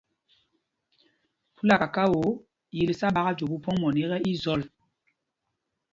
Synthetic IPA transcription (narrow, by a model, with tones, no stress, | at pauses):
pu˦la˦˨ka˨ka˦wo˨˦ | ji˨li˨sa˦ɓa˦ɣa˦d͡ʒo˨bu˦pɔ˦ŋmɔ˨ni˦ɣɛ˦ʔi˦zɔ˦˨l